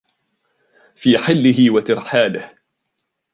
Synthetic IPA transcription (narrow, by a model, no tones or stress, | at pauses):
fiːħɪlːɪɦɪwat̪ɪɾħaːlɪh